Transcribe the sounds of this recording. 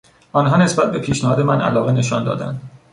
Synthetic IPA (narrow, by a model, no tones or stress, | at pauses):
ɒːnɦɒːne̞sbæt̪̚be̞pʰiːʃnæhɒːd̪e̞mænʔæ̰lɒːɣene̞ʃɒnd̪ɒ̰ːd̪æ̰nd̪̥